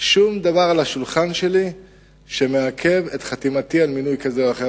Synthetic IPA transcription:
ʃumd̪avaʁalaʃulχanʃe̞li | ʃe̞meakʰe̞vetχat̪imat̪ialminujkazeoaχe

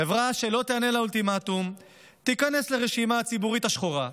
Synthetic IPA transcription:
evʁaʃe̞lo̞t̪eane̞lault̪imat̪um | t̪ikanesleʁeʃimaːt͡sibuʁit̪aʃχoʁa

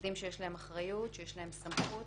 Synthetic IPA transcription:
dimʃejeʃlahe̞maχʁajut̪ʃejeʃlahe̞msamχu

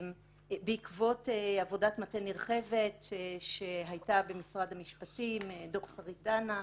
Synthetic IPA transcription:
m | beikvo̞teavo̞datmateniʁχe̞vetʃeɦajtabe̞misʁadhamiʃpatimdoχsaʁitana

